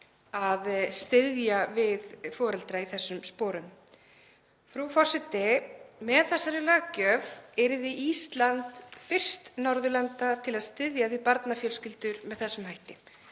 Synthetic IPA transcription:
aðst̪ɪðjavɪðfɔːɾɛlt̪ɾaiθɛsːʏmspɔːɾʏn | fɾufɔr̥sɛt̪ɪmɛðθɛsːaɾʏlɛɣacœːvɛɾɪðɪʔist̪lant̪fɪr̥st̪nɔɾðʏlant̪at̪ʰɪlaðst̪ɪðjaipaɾt̪nafjœlscɪlt̪ʏɾmɛðθɛsːʏmhɦajht̪ɪ

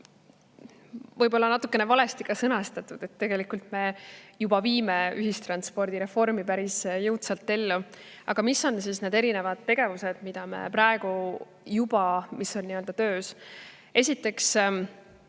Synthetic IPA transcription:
vɤjbo̞lːɑnɑt̪ːˑukːˑe̞ne̞vɑle̞st̪ikɑsɤnɑst̪ɑt̪ːˑud̪̥e̞t̪ːe̞ɡe̞likult̪me̞jubɑviːme̞yɦist̪rɑnspo̞rd̪̥iɾe̞fo̞rmipæɾisjɤwt̪sɑlt̪ːe̞lːuɑ̰ɡ̥ɑmisːo̞nsiːsne̞ːd̪e̞ɾine̞vɑd̪̥̚t̪e̞ɡ̥e̞vuse̞d̪̥mid̪̥ɑme̞̰pɾɑe̞ɡ̥u | jub̥ɑmisːo̞nːiø̞ld̪ɑt̪ø̞ːs | e̞sit̪ːˑe̞ks

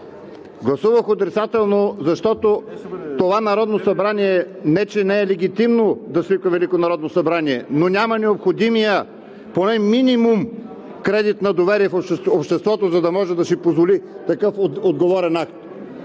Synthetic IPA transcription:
ɡlˠɐsuvəxot̪ɾit̪sat̪ɛlˠnozɐʃt̪ɔt̪ott̪ovanɐɾɔd̪nosɐbɾaniɛnɛt͡ʃɛnɛɛlɛɡ̟it̪imnod̪ɐsvikəvɛlikonɐɾɔd̪nosɐbɾaniɛnonʲamɐnɛopxod̪imijə | ponɛminimum | kɾɛd̪it̪nɐd̪ovɛɾiɛfoʃopʃt̪ɛst̪vɔt̪ozɐd̪ɐmɔʒɛd̪ɐsipozvolit̪ɐkɤfod̪ɡovɔɾɛnakt̪

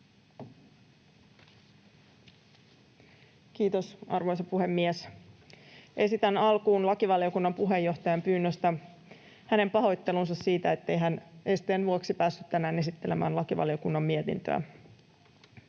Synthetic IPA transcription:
kiːt̪o̞sʔɑ̰rʋo̞jsɑpuɦe̞mːies | ʔe̞sit̪ænɑlkuːnlɑkiʋɑlio̞kunːɑmpuɦe̞jːo̞ht̪ɑjɑmpyːnːøst̪æ | hæne̞mpɑɦo̞jt̪ːe̞lunsɑssiːt̪æet̪ːejɦænest̪eːnʋuoksipæːsːyt̪tænæːnesit̪ːe̞le̞mæ̰ːnlɑkiʋɑ̰lio̞kunːɑmːiet̪ḭnt̪ø̰æ̰

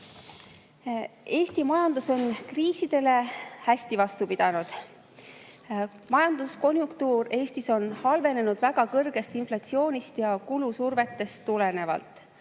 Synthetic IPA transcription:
e̞ːst̪imɑjɑnd̪̥uso̞nkriːsid̪̥e̞le̞hæsʲt̪ivɑst̪upid̪̥ɑnud̪̥ | mɑjɑnd̪usko̞nʲjuŋkt̪uːɾe̞ːst̪iso̞nhɑlve̞ne̞nud̪̥væɡ̥ɑkɤrɡ̥e̞st̪inflɑt̪sio̞ːnʲist̪jɑkulusurve̞t̪ːe̞st̪ːule̞ne̞vɑ̰lt̪ˑ

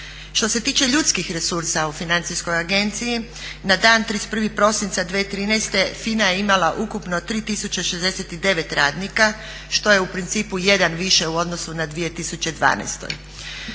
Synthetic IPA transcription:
ʃt̪o̞se̞t̪iːt͡ʃe̞ʎut̪skixɾe̞suɾsaufinant̪sisko̞jaɡe̞nt̪siji | nad̪aːnt̪ɾispr̩ʋipɾo̞sint̪sad̪ʋet̪ɾiːnɛjst̪e̞finaje̞imalaʔukupno̞t̪ɾiːt̪isut͡ɕeʃezd̪e̞set̪id̪e̞ʋe̞t̪ɾaːd̪nika | ʃt̪o̞je̞upɾint̪siːpuje̞d̪anʋiʃe̞uo̞d̪nosunad̪ʋije̞t̪isut͡ɕe̞d̪ʋa̰ːnɛ̰jst̪o̰j

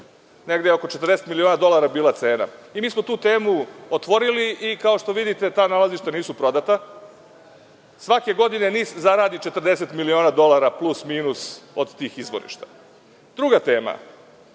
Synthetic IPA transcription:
ne̞ɡd̪ejeo̞ko̞t͡ʃet̪rd̪e̞set̪milio̞ːnad̪o̞lˠaɾabiːlˠat̪se̞ːna̰imiːsmo̞t̪uːt̪e̞ːmuot̪ʋo̞ɾiliikao̞ʃt̪o̞ʋid̪it̪e̞t̪aːnalaziʃt̪aniːsupɾo̞d̪at̪a | sʋake̞ɡo̞d̪ine̞niːszaɾaːd̪it͡ʃe̞t̪r̩d̪e̞se̞t̪milio̞ːnad̪o̞lˠaɾaplusmiːnuso̰d̪t̪iːxizʋo̰ɾḭʃt̪ḁ | d̪ɾuɡat̪e̞ːma̰

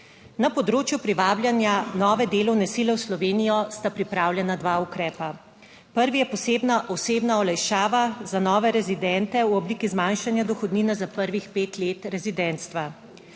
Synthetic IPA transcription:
napɔd̪ɾoːt͡ʃjupɾiʋaːblʲjanjanɔːʋɛd̪eːlɔwnɛsiːlɛwslɔʋeːnijɔst̪apɾipɾaːwlʲjɛnad̪ʋaːukɾɛːpa | pəɾʋijɛpɔseːbnaʔɔseːbnaɔlajʃaːʋazanɔːʋɛɾɛzid̪ɛnt̪ɛwɔbliːkizmanʃanjad̪ɔxɔd̪niːnazapəɾʋixpeːt̪leːt̪ɾɛzid̪ɛnt̪st̪ʋa

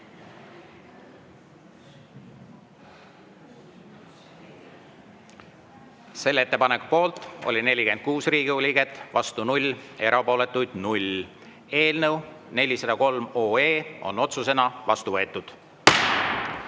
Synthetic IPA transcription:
se̞lːe̞t̪ːe̞pɑneku̥po̞ːlt̪ˑo̞̰lʲine̞lʲike̞nd̪̥̚kuːsriːɡ̥iulʲiɡe̞t̪ːˑvɑst̪unulʲe̞ɾʔɑpo̞ːle̞t̪ːˑujd̪̥nulʲ | e̞ːlnəw | ne̞lʲisɑd̪̥ɑko̞lmo̞ːeːo̞̰no̞t̪sus̬e̞nɑvɑst̪uvɤ̞et̪ːˑud̪̥

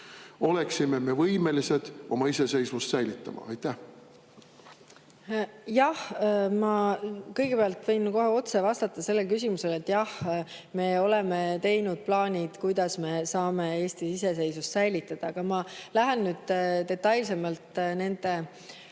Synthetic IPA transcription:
o̞leksimeme̞vɤjme̞lise̞d̪̥o̞mɑise̞se̞jsmust̪sæjlit̪ːˑɑmɑ̰ɑjt̪ːˑæh | jɑhmɑkɤjɡ̥e̞peɑlt̪vɤjnko̞ɦeo̞t̪se̞vɑst̪ɑt̪ːˑɑse̞lːelkys̬ʲimuse̞let̪ːˑjɑhme̞o̞le̞me̞t̪e̞jnud̪̥̚plɑːnʲid̪̥kujd̪̥ɑsme̞sɑːme̞e̞ːsʲt̪iise̞s̬e̞jsust̪sæjlit̪ːˑɑd̪̥ɑkɑmɑlæɦenːyːd̪̥t̪e̞t̪ːˑɑjls̬e̞mɑlt̪ˑne̞nd̪̥e̞

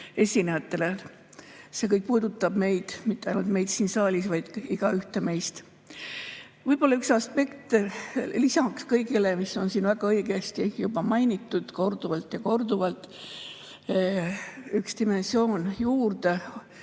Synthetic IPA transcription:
e̞sʲinejɑt̪ːˑe̞le̞ | se̞kɤjk̚puːd̪ut̪ːˑɑb̥me̞jd̪̥mit̪ːeɑ̰jnult̪me̞jd̪siːnsɑːlʲisvɑjd̪̥iɡ̥ɑyht̪e̞me̞jst̪ | vɤjb̥olːɑyksɑspe̞kt̪lisɑkskɤjɡile̞misːo̞nsiːnvæɡ̥ɑɤjɡ̥ɑst̪ijubɑmɑjnit̪ːˑud̪̥ko̞rd̪̥uvɑlt̪jɑko̞rd̪uvɑlt̪ːˑ | ykst̪ime̞nsio̞ːnjuːrd̪e̞

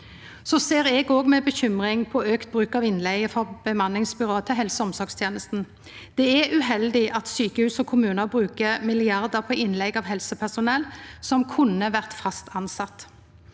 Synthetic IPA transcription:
sɔseːʁɛɡoːɡmɛbəçʏmʁɪŋpʰɔøːkt̪̚bʁʉːkɑʋɪnlɛɪəfɔb̥əmɑnɪŋsbʏʁoːət̪ʰɪlɦɛlsəɔmsɔɾkst̪ʰjeːnəst̪n̩ | d̪̥ɛæʉɦɛld̪ɪʔɑt̪syːkəhʉːsɔkʰʊmʉːnəbʁʉːkəmɪlɪɑʁd̪əpʰɔʔɪnlɛɡɑʋɦɛlsəpʰæsʊnɛlsɔmkʰʊnəʋæʁt̪fɑst̪ʰɑnsɑt̪

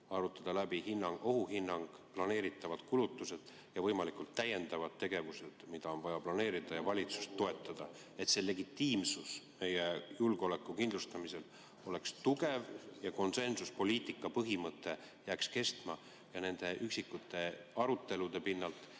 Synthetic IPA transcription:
ɑɾut̪ːˑɑd̪̥ɑlæbiɦinːɑŋɡo̞ɦuɦinːɑŋɡ̥plɑne̞ːɾit̪ːˑɑvɑd̪̥kulut̪ːˑuse̞d̪̥ | jɑvɤjmɑlikult̪ːæjːe̞nd̪ɑvɑd̪̥t̪ːe̞ɡe̞vuse̞d̪̥mid̪̥ɑo̞nvɑjɑplɑne̞ːɾid̪̥ɑjɑvɑlʲit̪su̥st̪ːo̞e̞t̪ːˑɑd̪̥ɑ | e̞t̪se̞le̞ɡ̥it̪ːˑiːmsusme̞jejulɡ̥ole̞kːˑukind̪lust̪ɑmise̞l | o̞le̞kst̪uɡe̞vjɑko̞nse̞nsuspo̞lʲiːt̪ˑikːˑɑpɤɦimɤt̪ˑːe̞ | jæːkske̞st̪mɑ | jɑne̞nd̪̥e̞ʔyksikːˑut̪ːˑe̞ɑɾut̪ˑːe̞lud̪̥e̞pinːɑlt̪ˑ

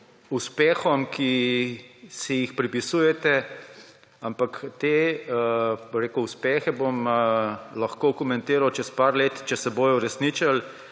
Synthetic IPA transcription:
uspɛːxɔmkʰi | sijixpɾipisuːjɛt̪ɛ | ampakt̪eː | boɾeːkʊuspɛːxɛbom | lɐxkoːkɔmɛnt̪eːɾawt͡ʃɛspaɾleːt̪t͡ʃɛsɛboːjuɾɛsnit͡ʃal

